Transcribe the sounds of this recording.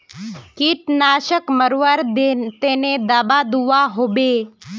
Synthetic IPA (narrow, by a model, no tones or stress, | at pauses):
kiʈnaʃəkməɾʋəɾd̪et̪ened̪abad̪uʋaɦobe